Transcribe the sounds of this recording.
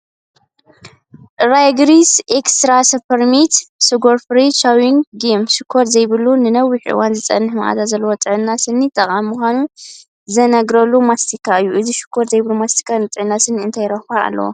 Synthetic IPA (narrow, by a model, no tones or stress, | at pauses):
ɾajɡɾisʔekst̪ɾasɐpʰɐɾmit̪sɨɡoɾfɾiʃawiŋɡɡimʃɨkʰːoɾzɐjβɨlunɨnɐwːiħʔɨ̰wanzɨt͡sʼɐ̰nːɨħmaʔa̰t̪azɐlːɐwot̪ʼɨʕɨnːasɨnːit̪ʰʼɐχʼammuxʷanu | zɐnɐɡɾɐlːumast̪ʰikʰːaɨjːuʔɨziʃɪ̥kʰːoɾzɐjβɨlumast̪ʰi̥kʰːanɨt̪ʼɨʕɨnːasɨniɨnt̪ʰajɾɐxaa̰lːɐ̰wo̰